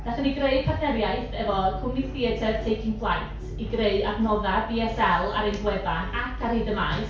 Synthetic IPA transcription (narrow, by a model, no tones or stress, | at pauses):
d̥aχəniɡreɨd̥̚pʰaθɛɾjajθɛvɔkʰʊmniθiətʰərtʰejkʰɪŋpʰlˠajtʰ | iɡreɨdabnɔðabiɛsɛlˠa̰ɾejnbwɛvanakʰarhɪdəmajθ